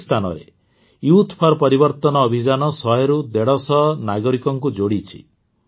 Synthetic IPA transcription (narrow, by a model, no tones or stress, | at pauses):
st̪ʰanɔ̰ɾḛ | juut̪ʰpʰɔɾpɔɾibɔɾt̪ɔnɔːbʱid͡ʒanɔsɔɦeɾud̪eɽɔsɔnaɡɔɾikɔŋkud͡ʒoɽit͡ʃʰḭ